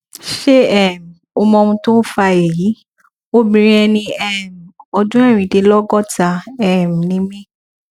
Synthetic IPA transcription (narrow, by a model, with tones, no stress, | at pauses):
ʃe˦ɛ˦˨m̩˨o˧mɔ̃˧ũ˧to˦fa˧e˨ji˨˦ | o˦bĩ˧ɾ̃ɛ˧nĩ˧ɛ˦˨m̩˨ɔ˧dũ˦ɛ˦˨ɾ̃ĩ˨de˧lɔ˦ɡɔ˦˨ta˧ɛ˦˨m̩˨nĩ˦mĩ˦